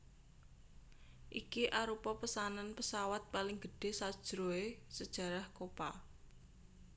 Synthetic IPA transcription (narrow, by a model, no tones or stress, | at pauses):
ʔikiʔaɾupɔpəsananpəsawat̪̚palɪŋɡəɖ̥e̤sad̥ʒ̥ɾoesəd̥ʒ̥ä̤ɾahkopa̰